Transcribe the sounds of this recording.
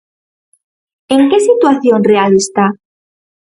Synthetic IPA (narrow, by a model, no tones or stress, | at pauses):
e̞ŋke̞sit̪waθjo̞nrealest̪a